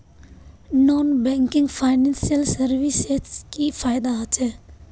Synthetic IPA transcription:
nɔːnbɛ̃ːŋkɪ̃ŋɡfʰaːɪnɛ̃ːnsijəlsəɾʋiseskifʰaːɪd̪aat͡ʃɛː

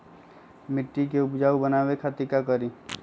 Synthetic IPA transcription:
mɪʈːikeʊpd͡ʒaːubənaːwekʰat̪ikakəɾi

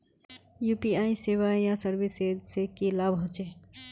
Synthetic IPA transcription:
juːpiaːiseʋajasəɾbised͡ʒsekilabʱɦot͡ʃeː

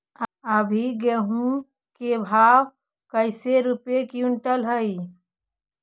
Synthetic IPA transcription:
əbʱiɡeɦũ | kebʱaːw | kəɪseɾupekiuʊɳʈəlɦəi

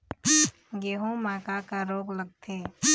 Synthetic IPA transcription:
ɡeːɦõmaːkakaɾoːɡləɡ̚t̪ʰe

